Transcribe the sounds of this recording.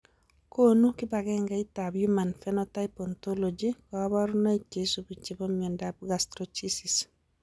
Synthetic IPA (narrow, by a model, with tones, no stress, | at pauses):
ko˦nu˦kɪ˦ba˨ɡɛ˦ŋɡa˦i˦ta˨bju˦ma˨nfɛ˦nɔta˦ɪpɔnt̪o˦lod͡ʒi˦kɔ˨˦ba˦ɾu˦na˦i˦ke˨su˨bi˨t͡ʃe˨bɔ˦miɛ˨ndab̚ɡastɾɔt͡ʃi˦sis